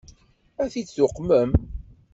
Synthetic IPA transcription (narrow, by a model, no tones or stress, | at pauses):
æθit͡sːʊqːməm